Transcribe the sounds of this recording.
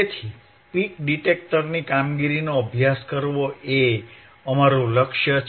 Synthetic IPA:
et̪ʰi | pikɖiʈek̚ʈəɾnikamɡiɾinoəbʱjaskəɾʋoʔe | əmaɾuləkʃjə

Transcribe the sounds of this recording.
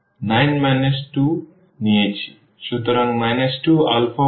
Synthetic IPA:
najnmanesʈu | nijet͡sʰi̥ | sut̪ɾʌŋmajnesʈua̰lpʰo

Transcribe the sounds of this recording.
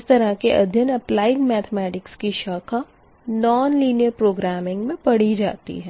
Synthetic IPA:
st̪ɐɾəkeʔɐ̰d̪ʱjənɐplaːɪŋmɛːt̪ʰmɛːʈɪkskiʃaːkʰa | nɔːnliːnijəɾpɾoːɡɾaːmɪ̃ŋɡmẽpɐɽid͡ʒa̰ːt̪ḭɦɛː

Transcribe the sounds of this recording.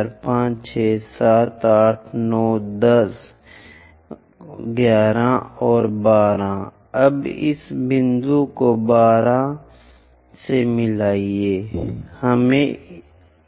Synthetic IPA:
ɾpãːt͡ʃt͡ʃʰeːsaːt̪aːʈʰnɔːd̪əs | ɡjaːɾãɔːɾbaːɾã | ɐbɪ̰sbɪ̃nd̪ukobaːɾã | semɪlaːieːhəmẽ

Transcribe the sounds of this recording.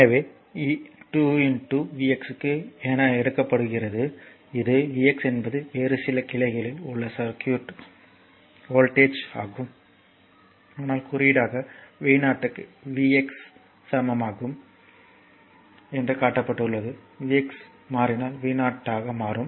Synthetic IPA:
nɐʋeː | iːʈuːɪnʈuʋiːɛksɯkːɯɛːnɐɛɽɯkːɐpːɐɽɯɣɪrɐðɯ | ɪðɯʋiːɛksɛnbɐðɯeːɾɯsɪlɐkɪɭɐɪɣɐɭɪlʊɭːɐsɐɾkjuːʈ | oːlʈeːt͡ʃa̰ːɣɯm | ɐðɐnaːlkʊrɪɽaːɣɐʋiːnaːʈːɯkːɯʋiɛksː | ɐmɐmaːɣɯm | ɛndrɯkaːʈːɐpːɐʈːɯɭːɐðɯ | ʋiːɛks | maːɾɪnaːlʋiːnaːʈːaːɣɐmaːɾɯm

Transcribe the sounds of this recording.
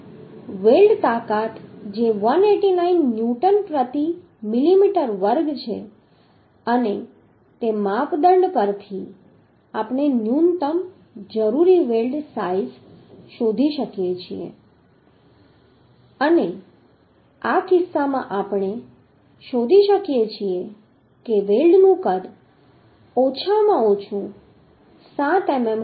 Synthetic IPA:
ʋelɖt̪akat̪d͡ʒeʋəneʈinainːjuʈənpɾət̪i | mɪlimiʈəɾʋəɾɡt͡ʃʰḛ | əne | t̪emapd̪əɳɖpəɾt̪ʰi | apɳ̃enjunt̪əm | d͡ʒəɾuɾiʋelɖsaizʃod̪ʱiʃəkijet͡ʃʰḭḛ | əne | akɪsːamãʔapɳ̃e | ʃod̪ʱiʃəkjet͡ʃʰie | keʋelɖnũkəd̪ | ot͡ʃʰamãot͡ʃʰũ | sãt̪ɛmem

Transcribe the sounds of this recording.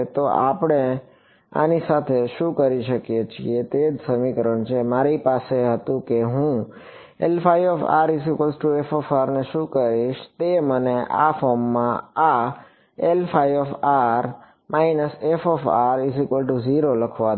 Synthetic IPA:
t̪oapɽ̃e | a̰nisat̪ʰeʃũkəɾiʃəkjet͡ʃʰḭet̪ed͡ʒsəmikəɾəɳt͡ʃʰemaɾipaseɦət̪ũkeɦũ | elfajʋɔfa̰ɾisikəlsʈuefɔfaɾneʃũkəɾiʃt̪eməneʔa̰fɔɾmːãa | elfʰajʋɔfaɾ | mʔainəsefɔfaɾizikʋəlʈuziɾoləkʰʋa

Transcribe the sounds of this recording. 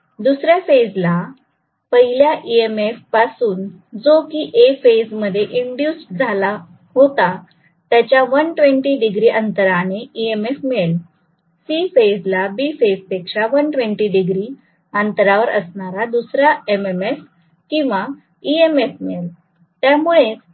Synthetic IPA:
d̪usɾjafed͡zla | pəɦiljaʔiemefpasuːn | d͡zokiːʔefed͡zməd̪ʱːjeʔiɳɖjusʈd͡zʱala | ɦot̪a | t̪jat͡ɕjaʋənʈʋeɳʈiːɖiɡɾiːʔənt̪əɾaneiemefmel | sifed͡zlabifed͡zpekʂaʋənʈʋẽɳʈiːɖiɡɾi | ənt̪əɾaʋəɾʔə̰sɳaɾad̪usɾaememef | kĩw̃ʋa | iemefmel | t̪jamuɭet͡s

